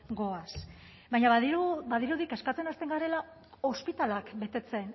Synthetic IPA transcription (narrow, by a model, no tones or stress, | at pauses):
ɡo̞as | bajɲaβaðiubaðiɾuðike̞skat͡se̞nast̪e̞ŋɡaɾe̞la | o̞spit̪alakbe̞t̪e̞t͡se̞n